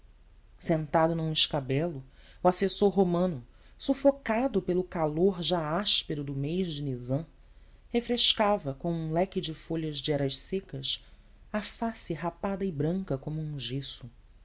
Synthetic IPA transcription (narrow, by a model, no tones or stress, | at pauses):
sẽnt̪ad̪ʊnũɪʃkabɛlʊ | uasesoɾɦomɐ̃nʊ | sufokad̪ʊpelʊkaloɾʒaaʃpeɾʊd̪ʊmejzd͡ʒɪnizɐ̃ | hefɾeʃkavɐkõw̃ũlɛkɪd͡ʒɪfoʎɐzd͡ʒɪɛɾɐʃsekɐs | ɐfasɪɦapad̪ɐɪbɾɐ̃ŋkɐkõmʊũʒesʊ